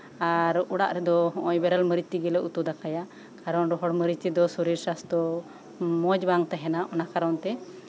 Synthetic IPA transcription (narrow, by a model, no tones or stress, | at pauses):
aɾuɽa̰ʔɾɛd̪ɔɦɔ̃ʔɔjbɛɾalməɾit̪iɡɛlɛut̪ɔd̪akaja | kaɾɔnɾɔɦɔɽməɾit̪id̪ɔsuɾiɾsast̪ɔ | mɔd͡ʒbaŋt̪aɦɛnaʔɔnakaɾɔnt̪ɛ